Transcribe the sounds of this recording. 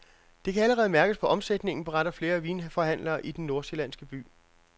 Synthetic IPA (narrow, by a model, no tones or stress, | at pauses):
d̥e̝kʰææləʁɛːð̞̩ˠmæɐɡ̥əspʰɒ̽ʔɒ̽msed̥ne̝ŋn̩b̥e̝ʁɑ̈ɾ̥ɐfle̝ːɐʋiːnfɒ̽ɦæn̰lɐːʔid̥enːo̝ɐse̝lænsɡ̥əb̥y̰ː